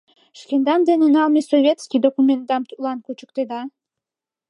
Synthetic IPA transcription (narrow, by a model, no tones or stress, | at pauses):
ʃkʲend̪ɑnd̪enenɑlˠmʲesovʲet̪skʲijd̪okumʲent̪̚d̪ɑmt̪ulˠɑnkut͡ɕə̥̆k̚t̪ed̪ɑ